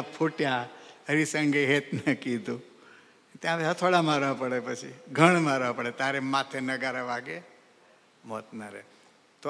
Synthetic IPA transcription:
pʰoʈjaəɾisəŋɡeɦet̪nəkid̪ũ | t̪jãat̪ʰoɽamaɾʋapəɽepət͡ʃʰḭɡʱəɳ̃maɾʋapəɽet̪aɾemat̪ʰenəɡaɾaʋaɡe | mɔt̪naɾḛ | t̪o

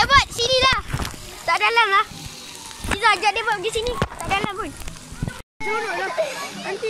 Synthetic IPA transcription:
ebasidila | sadalamla | izad͡ʒadebaɡisinisadalabun

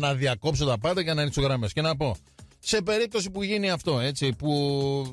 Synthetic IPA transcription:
nɐðiɐko̞psot̪ɐpɐnd̪ɐʝɐnɐisoɣɾɐmesce̞nɐpo̞ | se̞pe̞ɾip̚t̪o̞sipuʝiniɐft̪o̞e̞t͡sipu

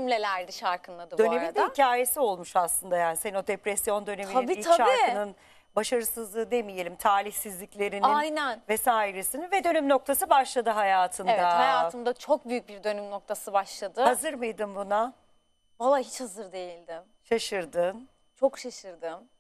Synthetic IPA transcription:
imlʲelʲæɾd̪iʃaɾkʰɯnlˠad̪ɯb̪øo̞neɾmind̪hicʰaːje̞sio̞lˠmuʃaslˠɯnd̪ajaːnisenod̪epɾɛsjo̞nd̪ø̞ne̞minʰabiit̪ʰaʃaɾkɯnɯn | baʃaɾɯsɯzlˠɯːd̪emije̞lʲimt̪ʰaːɾʲiçsizlʲiclʲe̞ɾiniajnænvɛsaːiɾesinvɛd̪ø̞nymno̞k̚t̪ʰasɯbaʃlˠad̪ɯɦajaːt̪ʰɯnedvahajaːt̪ʰɯnd̪at͡ʃʰo̞k̚byjyc̚biɾd̪ø̞nymno̞k̚t̪ʰasɯbaʃlˠad̪ɯhazɯɾmɯjd̪ɯmbuna | valˠːaɦit͡ʃhazɯɾd̪e̞jilʲd̪ɪ | ʃaʃɯɾd̪ɯn | t͡ʃʰo̞kʃaʃɯɾd̪ɯm

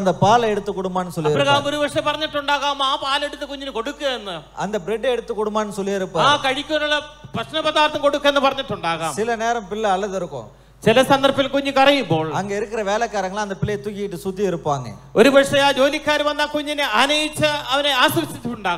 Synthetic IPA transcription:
nd̪ɐpaːleɽut̪ːɨkːuɽumbaːnːɯsolɐipːɾɐɣaaːɐmoɾubɐʂɐpɐrɐɲːiʈːuɳɖaːɣaːmaːpaːle̞ɽut̪ːɨkoɲːinɨko̞ɽukːɨɣɐenːɨɐ̰nd̪ɐbɾeɖɐːɽut̪ːɨkːuɽumbaːnːɯsolːiɐɾupːɐaːkɐɻikʲːuɐnɐɭːɐprɐɕnɐpɐðaːɾt̪ːɐmko̞ɽukːɐenːɨpɐrɐɲːiʈːuɳɖaːɣaːmsilɐneːɾɐmpilːɐɐɭːɐðiɾukːo̰ː | t͡ɕilɐsɐnd̪ɐrpːilkoɲːukɐrɐjumbo̞ːɭɐŋɡeiɾɯkːɪrɐʋe̞ːlɐkːaːɾɐŋːɐɭɐnd̪ɐpɪlːejt̪ukːijiʈːɨsud̪ːiiɾupːaːŋɡḛ | oɾubɐʂɐjaːd͡ʑo̞ːlikːaːɾɐmʋɐnd̪aːkoɲːinɨɐnɐjit͡ɕːɨɐʋɐneaːsɐʋɐt͡ɕːit̪ːiʈːuɳɖaːɣ

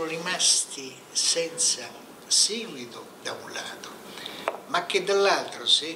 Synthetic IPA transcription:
ʊrimast̪i | sɛnt̪sa | siːɡwit̪ʊd̪aṵnla̰ːt̪o | makːed̪ːalːalt̪ɾʊsi

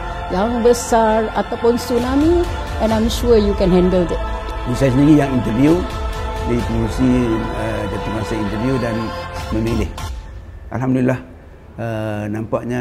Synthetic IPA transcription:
jaŋbəsaɹat̪awpʊnsunami | ɛ̃nãmʃujukɛ̃nɦɛ̃ndəld̪ɛt̚ | məsajsəniɡijaŋint̪əɾviudeipəŋusiəd͡ʒət̪umasaint̪əviudanmə̃milɪh | ʔa̰lɦamdulilːah | ənampaʔɲa

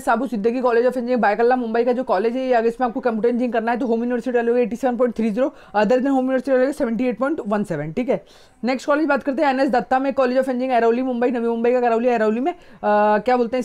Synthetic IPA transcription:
saːbusɪ̃nd̪əɡikɔːleːd͡ʒɔːfɛ̃ɲd͡ʒɪ̃ŋbaːɪkəlːamʊ̃mbəikad͡ʒoːkɔːleːd͡ʒɦɛjɐɡəɾɪsmẽaːp̚kokɐ̃mpuʈẽnd͡ʒɪ̃ŋkɐɾnaɦɛt̪oɦoːmjuːnɪʋəɾsɪʈiʈɾaːloːɡeːʈːisɛːʋənp̬ɔːɪ̃ɳʈt̪ʰɾiːziːɾo | ɐd̪əɾd̪ɪnɦoːmjunɪʋəɾsɪʈiʈɾɛːloːɡesɛʋə̃ɳʈieːʈ̚pɔːɪ̃ɳʈʋɐnsɛːʋənʈʰiːkɛː | nɛːksʈkɔːleːd͡ʒbaːt̪̚kɐɾt̪eɦɛ̃ɛːnɛs̬d̪ɐt̪ːamẽkɔːleːd͡ʒɔːfɛ̃ɲd͡ʒɪ̃ŋɡɛːɾaːlimʊ̃mbəinɐʋimʊ̃mbəikakɐɾaːliɛːɾaːlimẽkjaːboːlt̪eɦɛ

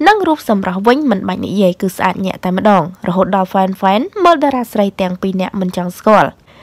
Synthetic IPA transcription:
nɨŋruːp̚sɑmrɑhʋɨɲmɨnɓaːc̚nḭʔjiəjkɨːsʔa̰ːt̪̚ɲɛ̆əʔt̪aɛmə̆ɗɑːŋrɔɦoːt̪̚ɗɑlfaɛnfaɛnməːlɗaːɾaːsrəjt̪ɛ̆əŋpiːnɛ̆əʔmɨnt͡ɕɑŋskŏəl

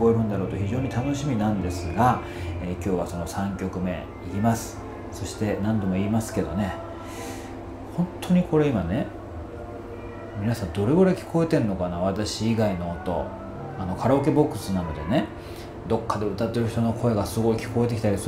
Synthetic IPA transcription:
koe̞ɾɯ̟nd̪aɾo̞ːt̪o̞çiʑo̞ːɲ̟it̪ano̞ɕimʲinãnd̪e̞sɨɡa | eːkʲo̞ːβaso̞no̞sãŋkʲo̞kɯ̟me̞̰ | iɾʲimasɨ̥ | so̞ɕi̥t̪e̞nãnd̪o̞mo̞iːmasɨ̥ke̞d̪o̞ne̞ | hõ̞nt̪ʰːo̞ɲ̟iko̞ɾe̞imane̞ | mʲinasãnd̪o̞ɾe̞ɡoɾekʲi̥ko̞e̞t̪e̞nːo̞kanaβ̞at̪aɕiːɡaino̞ːt̪o̞̰ | ano̞kʰaɾaoke̞bo̞kːɯ̟sɨnano̞d̪e̞ne̞ | d̪o̞kːad̪e̞ɯt̪at̪ːe̞ɾɯ̟çi̥t̪o̞no̞kʰo̞e̞ɡasɨɡo̞ikʲi̥ko̞e̞t̪̬e̞kʲi̥t̪aɾʲis

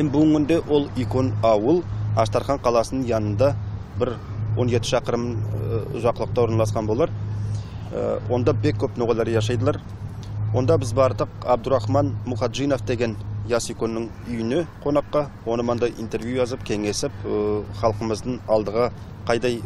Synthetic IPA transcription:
embʊɡəŋkʲʏnd̪e̞wʔo̞lˠiko̞nɑwəlˠɑʃt̪ɑɾχɑɴqʰɑlˠɑsənəɴjɑnənd̪ɑ | bɪɾwo̞nʒe̞t̪ɪʃɑqəɾəm | ʒɑqəlˠəq̚t̪ɑwo̞ɾnɑlˠɑsqɑnbo̞lˠɑɾ̰ | wʔo̞nd̪ɑbe̞kʲʰːɵpnuʁɑlˠɑɾʒɑʃ̬ɑjd̪əlˠɑɾ | wo̞nd̪ɑbɪzbɑɾd̪əqɑb̚d̪ʊɾɑχmɑnmʊχɑt̪ʒijno̞fd̪e̞ɡʲe̞njɑsijko̞nːɪŋ | ʏjɪnɪqʰo̞nɑqːɑwo̞nəmɑnd̪ɑjʔḭnt̪e̞ɾvjujɑzəpkʲʰe̞ŋe̞sɪpχɑlˠqəməzd̪əɴɑlˠd̪əʁə | qʰɑjd̪ɑj

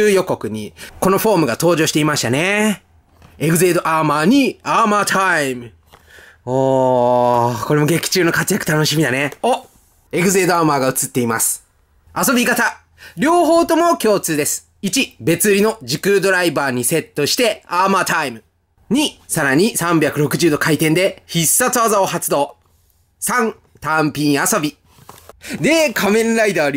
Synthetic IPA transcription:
ɨːjo̞ko̞kɯ̟ɲ̟iko̞no̞ɸo̞ːmɯ̟ɡat̪o̞ːʑo̞ːɕi̥t̪e̞imaɕi̥t̪ane̞ | eɡɯ̟ze̞ːd̪o̞ʔamaːɲ̟iaːmaːt̪ʰaimɯ̟ | oː | ko̞ɾe̞mo̞ɡe̞kʲi̥t͡ɕɨːno̞kat͡sɨjakɯ̟t̪ano̞ɕimʲid̪aneo | e̞ɡɯ̟ze̞ːd̪oamaːɡaɯ̟t͡sɨt̪ːe̞imasɨ̥ | aso̞bʲikat̪a | ɾʲo̞ːɦo̞ːt̪o̞mo̞kʲo̞ːt͡sɨːd̪e̞sɨ̥ | it͡ɕibe̞t͡sɨɾʲino̞d͡ʑikɯ̟d̪o̞ɾaibaːɲ̟ise̞t̪ːo̞ɕi̥t̪e̞aːmaːt̪aimɯ̟ | ɲ̟isaɾaɲ̟isãmbʲjakɯ̟ɾo̞kɯ̟ʑɨːd̪okait̪ẽ̞nd̪e̞çisːat͡sɨazaoɦat͡sɨd̪o̞ː | sãn | t̪ãmpʲĩɰ̃aso̞bʲi | d̪e̞kʰamẽ̞nɾaid̪aɾ

